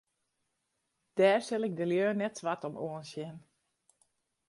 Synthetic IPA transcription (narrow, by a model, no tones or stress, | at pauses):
d̥ɛːrsɪlɪk̚dəljøːnɛtsʋatɔmoənsjɪn